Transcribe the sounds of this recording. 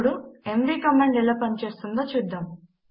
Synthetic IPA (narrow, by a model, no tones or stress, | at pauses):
ɽuemʋiːkɐmɐɳɖelːopɐnt͡ʃe̞ːst̪und̪oːt͡ʃud̪ːaːm